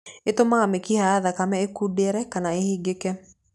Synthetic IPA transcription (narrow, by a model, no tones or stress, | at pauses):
etomaamekihaaðakamɛekudeɾɛkanaehiɡekɛ